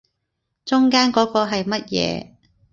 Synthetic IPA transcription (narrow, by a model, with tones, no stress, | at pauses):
t͡sʊ˥ŋkaː˥nkɔː˨˥kɔː˧ɦɐ˨jmɐ˥t̚jɛ̰ː˨˧